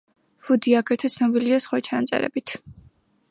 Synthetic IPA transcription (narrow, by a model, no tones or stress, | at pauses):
v̥ud̪iaɡɾɛt̪ʰɛt̪sʰnɔbiliasχwat͡ʃʰanat̪sʼɛ̰ɾɛ̰bit̪ʰ